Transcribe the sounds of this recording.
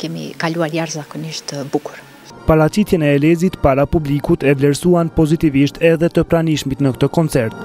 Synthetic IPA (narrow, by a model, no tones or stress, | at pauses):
kɛmḭkaluaɾjaɾzakɔniʃt̪əbukuɾ | paɾat͡ʃit̪jɛnɛːlɛzit̪paɾapublikut̪ɛvlɛɾsuanpɔzit̪iviʃt̪ʰɛðɛt̪əpɾaniʃmit̪nəkt̪əkɔnt͡sɛɾt̪